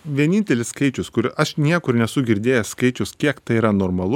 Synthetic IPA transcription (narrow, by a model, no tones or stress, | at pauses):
ʋʲiɛnʲiːnʲt̪ʲɛlʲɪsskɐɪt͡ʃʲʊskʊɾʲɐʃnʲiɛkʊɾnʲɛsʊɡʲɪɾʲd̪ʲeːjɛskɐɪt͡ʃʲʊskʲiɛkt̪ɐɪiːɾɐnoːɾmɐlˠʊ